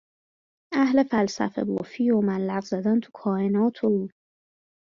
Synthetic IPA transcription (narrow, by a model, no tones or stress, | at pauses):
æhle̞fælsæ̰fe̞̰bo̰fiːomælːæɣzæd̪ænt̪ʰu̥kʰɒːenɒːt̪ʰoː